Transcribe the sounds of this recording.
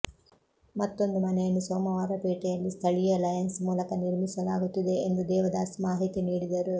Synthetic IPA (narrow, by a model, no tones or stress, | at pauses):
mɐt̪ːo̞nd̪umɐnɛjɐnːusoːmɐʋaːɾɐpeːʈɛjɐlːist̪ʰɐɭijɐlɐjɐnsmuːlɐkɐniɾmisɐlaːɡut̪ːid̪e̞ːnd̪ud̪ɛːʋɐd̪aːsmaːɦit̪iniːɽid̪ɐɾu